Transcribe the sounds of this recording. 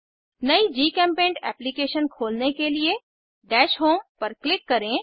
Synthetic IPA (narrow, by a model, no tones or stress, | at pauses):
nɐid͡ʒiːkɛ̃ːmpẽːɳɖɛ̰ːplikeːʃənkʰoːlnekelie | ɖɛːʃɦoːmpɐɾklɪkːɐɾẽ